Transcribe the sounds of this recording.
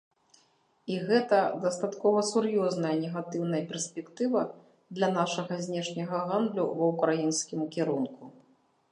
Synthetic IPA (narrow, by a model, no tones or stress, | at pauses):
iɣɛt̪ɐd̪ɐst̪at̪kɔvɐsurjɔznɐjɐnʲɛɣat̪ɨwnɐjɐpʲɛrsʲpʲɛkt̪ɨvɐ | d̪lʲɐnaʂɐɣɐzʲnʲɛʂnʲɐɣɐɣand̪lʲṵvɐwkɾajinskʲimukʲɛɾunku